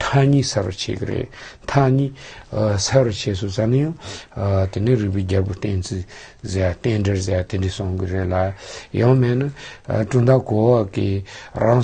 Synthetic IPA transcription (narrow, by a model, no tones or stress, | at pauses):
t̪ʰaɲiːsʰara̰t͡ɕʰḛkəɾḛʔt̪ʰaɲiːsʰarat͡ɕʰesʰot͡sanajaŋ | t̪eneriʔpiɦd͡ʑapoht̪ent͡sʰizeaht̪enɳɖ͡ʐerzeat̪eɳɖ͡ʐisoŋkireʔlajɑŋmeʔnaʈ͡ʂund̪akowakirɑŋ